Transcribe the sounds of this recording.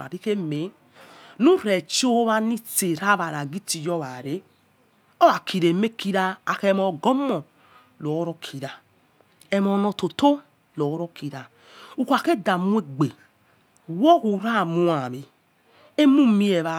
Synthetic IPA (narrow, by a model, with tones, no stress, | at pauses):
a̰˨ɾi˦ke˦me˨˦ | nu˦ɾe˨t͡ʃo˦βa˧ni˦te˨ɾa˦βa˨ɾa˨ɡi˦ti˨jɔ˦βa˨ɾe˨˦ | ɔ˦βa˨kʰi˨ɾe˨me˦ki˦ɾa˧a˨ke˦mɔ˨ɡɔ˦mɔ˨ | lo˨˦ɾɔ˦kʰi˨ɾa˨ | ɛ˧mɔ˨˦nɔ˨˧to˨to˦ | lo˨˦ɾo˦ki˨ɾa˨ | u˨kʷa˨ke˦da˨mu˦e˦˨ɡ͡be˨ | wɔ˦hu˨ɾa˦˨mu˦a˨βe˨ | e˦mu˦mi˦e˨βa˨